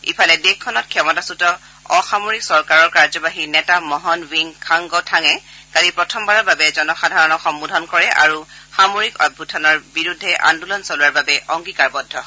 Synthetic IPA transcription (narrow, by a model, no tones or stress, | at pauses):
ḭpʰalɛdekʰːɔnɔt̚kʰjɛmɔtasutɔ | ɔxamoɹiksɔɹkaɹɔɹkaɹzɔbaɦinɛtamɔɦɔnwiŋkʰaŋɡɔtʰaŋɛ | kadipɹɔtʰɔmbaɹɔɹbabɛzɔnɔxadʱaɹɔnɔxɔmbudʱɔnkɔɹɛʔa̰ɹuxamoɹikɔ̰d̚bʱutʰɔnɔɹbiɹudʱːɛʔa̰ndulɔnsɔluwaɹbabɛʔɔŋɡikaɹbɔdʱːɔ